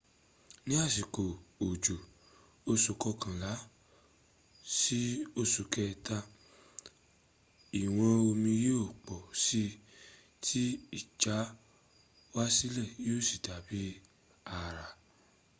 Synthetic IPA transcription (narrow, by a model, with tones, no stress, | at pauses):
nĩ˦a˦˨si˨ko˨o˨d͡ʒo˨ | o˦˨so˨kɔ˧kã˨la˨˦ | si˦o˦˨su˨kɛ˧ta˧ | i˨w̃ɔ̃˧o˧mĩ˧je˦o˦˨k͡pɔ˨si˦ | tʰi˦i˦˨d͡ʒa˨˦ | wa˦si˦lɛ˦˨jo˦˨si˨da˨bi˦ | a˨ɾa˨